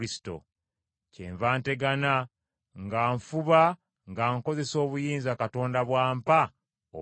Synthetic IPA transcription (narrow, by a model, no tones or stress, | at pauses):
isi̥to̰ | cḛːɱvaːnte̞ɡana | ŋɡaːɱfuβa | ŋɡaːŋko̞ze̞so̞ːβujiːnzakato̞ːndaβwaːmpa | o̰